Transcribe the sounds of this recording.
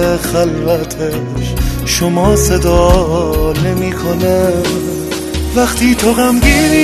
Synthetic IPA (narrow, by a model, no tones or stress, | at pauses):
χælvæt̪ʰe | ʃ | ʃomɔːsed̪ɔː | nemiːkʰonæ | væqt̪ʰiːt̪ʰoɣæmɡin